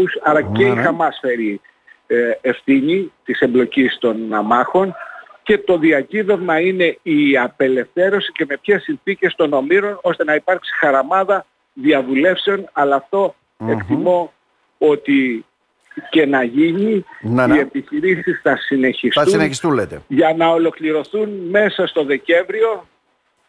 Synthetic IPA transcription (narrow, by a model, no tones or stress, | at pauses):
usɐɾɐceixɐmɐsfe̞ɾi | e̞fθiɲit̪ise̞mblo̞cist̪o̞nɐmɐxo̞nce̞t̪o̞ðiɐciðe̞vmɐine̞iɐpe̞le̞fθe̞ɾo̞sice̞me̞pçe̞sinθice̞st̪o̞no̞miɾo̞no̞st̪e̞nɐipɐɾksi̥xɐɾɐmɐðɐ | ðiɐvule̞fse̞o̞nɐlɐːft̪o̞ | e̞kt̪imo̞ | o̞t̪i | ce̞nɐʝininie̞piçiɾisisθɐsine̞çist̪suneçist̪ulet̪eʝɐnɐo̞lo̞kliɾo̞θunme̞sɐst̪o̞ðe̞ce̞ɱvɾio̞